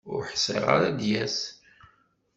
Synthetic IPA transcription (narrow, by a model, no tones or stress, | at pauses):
ʊɾħsḭʁa̰ɾad̪jæs